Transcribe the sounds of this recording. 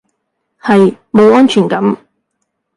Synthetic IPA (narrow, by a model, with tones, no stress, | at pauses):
hɐ˨j | mo˨˧wɔː˥nt͡ʃʰyː˨˩nkɐ˨˥m